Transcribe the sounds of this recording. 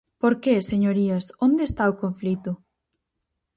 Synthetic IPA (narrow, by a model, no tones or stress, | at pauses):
poɾkeseɲoɾiɐsond̪eːst̪aokoɱflit̪ʊ